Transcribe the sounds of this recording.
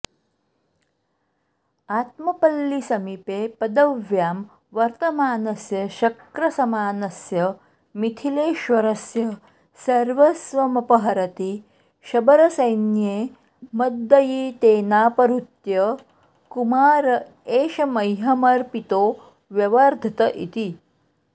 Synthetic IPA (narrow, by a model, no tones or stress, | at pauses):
aːt̪mɐpɐlːisɐmipeːpɐd̪ɐʋjaːm | ʋɐɾt̪ɐmaːnɐsjɐʃɐkɾɐsɐmaːnɐsjɐ | mit̪ʰileːʃʋɐɾɐsjɐ | sɐɾʋɐsʋɐmɐpɐɦɐɾɐt̪i | ʃɐbɐɾɐsɐjnjeː | mɐd̪ːɐjit̪eːnaːpɐɾut̪jɐ | kumaːɾɐ | eːʃɐmɐjɦɐmɐɾpit̪oː | ʋjɐʋɐɾd̪ʱɐt̪ɐʔḭt̪i